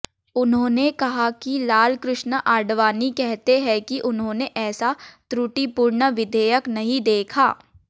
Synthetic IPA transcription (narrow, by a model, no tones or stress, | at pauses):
ʊnɦõːnekɐɦakilaːlkɾɪʃnəʔaːɖʋaːnikɛɦt̪eɦɛ̃kiʔʊnɦõːneʔɛːsat̪ɾuːʈipuːɾɳəʋɪd̪eːjəknɐɦĩd̪eːkʰa̰ː